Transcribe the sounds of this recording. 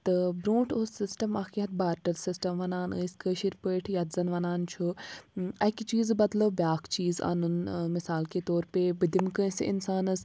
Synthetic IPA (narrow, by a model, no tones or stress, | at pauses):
t̪ɨbɾũːʈʰoːsɪsʈɐmɐkiɦɐt̪̚baːɾʈɐɾsɪsʈɐmʋɐnaːnɨ̰iskəʃiɾpəːʈʰjɐt̪zɐnʋɐnaːnt͡ʃʰu | ɐkit͡ʃiːzbɐd̪loːbʲjaːkʰt͡ʃiːza̰ːnunmɪsaːlket̪oːɾpebɨd̪imkə̃ːsɪ̰nsaːnɨs